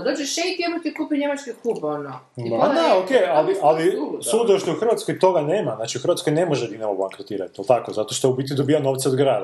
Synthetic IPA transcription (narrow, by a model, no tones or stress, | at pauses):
d̪ot͡ʃeʃejt̪jed̪mot̪ikluːpeɲemat͡ʃkiklubono | id̪aokejalialisud̪oʃt̪ouxr̩ʋat̪skojt̪o̞ɡaneːmaznaːt͡ʃiuxr̩ʋat̪sko̞jnemoʒed̪inemoblaŋkɾot̪iːɾat̪ijelˠt̪akozat̪o̞ʃt̪oubit̪id̪obiːjano̞ːʋt̪seoɡɾaːd̪a